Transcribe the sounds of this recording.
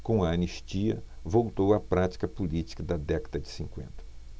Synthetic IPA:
kõɐɐniʃt͡ʃiɐ̰vowt̪owɐpɾat͡ʃi̥kɐpulit͡ʃi̥kɐd̪ɐd̪ɛkɐd̪ɐd͡ʒɪ̥sĩŋkwḛ̃nt̪ɐ̥

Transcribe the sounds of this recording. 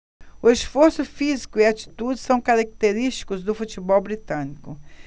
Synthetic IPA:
ʊesfoɾsʊfizikʊɪat͡ʃi̥t̪ud͡ʒɪsɐ̃w̃kaɾak̚t̪eɾist͡ʃi̥kʊzd̪ʊfut͡ʃibɔwbɾit̪ɐ̃nikʊ

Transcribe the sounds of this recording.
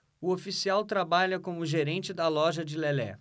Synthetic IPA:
ʊofisiawt̪ɾabaʎɐkõmʊʒeɾẽnt͡ʃɪd̪ɐlɔʒɐd͡ʒɪlɛlɛ̰

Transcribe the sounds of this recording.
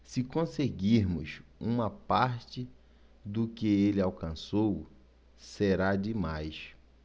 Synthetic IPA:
sɪkõseɡiɾmʊ̰sũmɐpaɾt͡ʃɪ | d̪ʊkɪelɪawkɐ̃sow | seɾad͡ʒɪmajs

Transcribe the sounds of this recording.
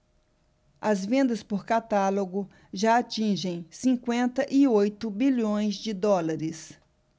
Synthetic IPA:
ɐzvẽnd̪ɐspoɾkat̪aloɡʊ | ʒaːt͡ʃĩʒẽj̃sĩŋkwẽnt̪ɐʔiojt̪ʊbiʎõj̃zd͡ʒɪd̪ɔlaɾɪs

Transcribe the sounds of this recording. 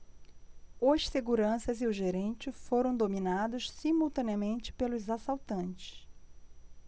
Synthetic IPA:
oʃseɡuɾɐ̃sɐzɪʊʒeɾẽnt͡ʃɪfoɾɐ̃w̃d̪omĩnad̪ʊʃsimuwt̪ɐ̃niɐmẽnt͡ʃɪ̥pelʊzasawt̪ɐ̃nt͡ʃɪ̥ʃ

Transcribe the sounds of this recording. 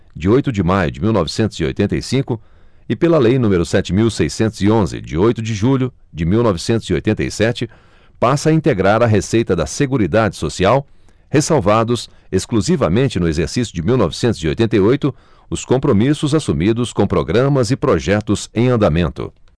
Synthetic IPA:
d͡ʒɪojt̪ʊd͡ʒɪmajʊd͡ʒɪmiwnɔvɪsẽnt̪ʊz̥io̰jt̪ẽɐ̰jsĩkʊ | ɪpelɐlejnũmeɾʊsɛt͡ʃɪmiwsejsẽnt̪ʊzɪõzɪ̰d͡ʒɪ̰ojt̪ʊd͡ʒɪʒuʎʊ | d͡ʒɪmiwnɔvɪsẽnt̪ʊzio̰jt̪ẽnt̪ɐ̰jsɛt͡ʃɪ | pasɐĩnt̪eɡɾaɾɐɦesejt̪ɐd̪ɐseɡuɾid̪ad͡ʒɪsosiaw | hesawvad̪ʊs | eskluzivɐmẽnt͡ʃɪnʊezeɾsisjʊd͡ʒɪmiwnɔvɪsẽnt̪ʊzio̰jt̪ẽnt̪̬ɐjojt̪ʊ | ʊskõmpɾomisʊzasumid̪ʊskõw̃pɾoɡɾɐ̃mɐzɪpɾoʒɛt̪ʊzẽj̃ɐ̃nd̪amẽnt̪ʊ̰

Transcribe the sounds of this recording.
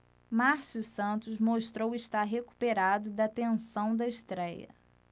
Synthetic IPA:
maɾsjusɐ̃nt̪ʊzmoʃt̪ɾowiʃt̪aɾɦeku̥peɾad̪ʊd̪ɐt̪ẽsɐ̃w̃d̪ɐɪʃt̪ɾɛjɐ̰

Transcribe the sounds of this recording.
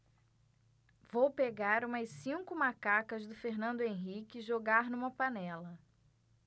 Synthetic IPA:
vowpeɡaɾũmɐsĩŋkʊmakakɐzd̪ʊfeɾnɐ̃nd̪ʊẽɦikɪʒoɡaɾnũmɐpanɛlɐ

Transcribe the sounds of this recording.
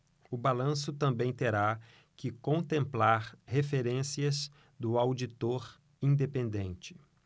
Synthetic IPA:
ʊbalɐ̃sʊt̪ɐ̃mbẽj̃t̪eɾa | kɪkõnt̪ẽmplaɾhefeɾẽsiɐz | d̪ʊawd͡ʒit̪oɾ | ĩnd̪epẽnd̪ẽnt͡ʃɪ̥

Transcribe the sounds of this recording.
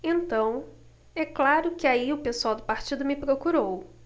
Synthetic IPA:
ẽnt̪ɐ̃w̃ | ɛklaɾʊkɪaiʊpesuawd̪ʊpaɾt͡ʃid̪ʊmɪpɾokuɾow

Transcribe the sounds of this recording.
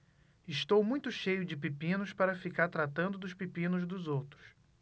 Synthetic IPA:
ɪʃt̪owmũj̃t̪ʊʃejʊd͡ʒɪpipĩnʊspaɾɐfikaɾt̪ɾat̪ɐ̃nd̪ʊd̪ʊʃpipĩnʊzd̪ʊzowt̪ɾʊ̥s

